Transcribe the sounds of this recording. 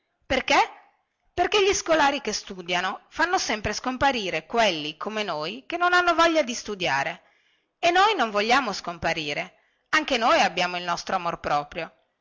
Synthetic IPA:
perke | perkeʎiskolaːɾikest̪ud̪janofanːosɛmpɾeskompaɾiːɾekwelːikʰomenoːjkenːonanːovɔʎːad̪ist̪ud̪ja̰ːɾe | enːojnoɱvoʎːaːmoskompaɾiːɾe | aŋkenojabjaːmoilnɔst̪ɾoamorpɾɔːpɾjo

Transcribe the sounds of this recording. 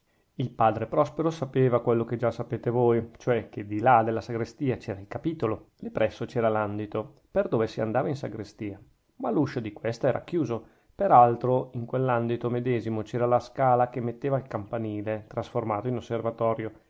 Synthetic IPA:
ilpaːd̪ɾepɾɔspeɾosapeːvakwelːoked͡ʒasːapeːt̪evojt͡ʃoɛk̟ed̪ilad̪elːasaɡɾest̪iːat͡ʃɛːɾailkapiːt̪olod̪ipɾɛsːot͡ʃɛːɾaland̪it̪o | perd̪oːvesia̰nd̪aːvainsaɡɾest̪iːa | maluʃod̪ikwest̪ɛːɾa̰kjuːzo | peɾalt̪ɾoiŋkwelːand̪it̪omed̪ɛːzimot͡ʃɛːɾalaskaːlakemːet̪ːeːvailkampaniːlet̪ɾasformaːt̪oinosːervat̪ɔːɾjo

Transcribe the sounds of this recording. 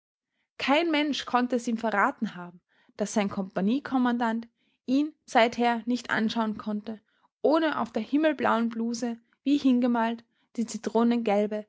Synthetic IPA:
kʰaɪnmɛnʃkʰɔntəɛsiːmfɛɐʁaːtn̩haːbm̩ | d̥asz̥aɪnkʰɔmpaniːkʰɔmandant | ʔiːnz̥aɪtheːɐnɪçtʔa̰nʃaʊənkʰɔntə | ʔoːnəʔa̰ʊfd̥eːɐhɪml̩bla̰ʊənbluːzə | v̥iːhɪnɡəmaːlt | d̥iːt͡sitʁ̥oːnənɡɛlbə

